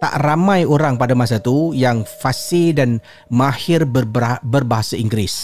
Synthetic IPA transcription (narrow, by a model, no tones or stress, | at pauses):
t̪a̰ʔramajoɾaŋpadamas̬at̪ujaŋfasɪdan | mahɪrbbərbaɦasaiŋɡɾɪs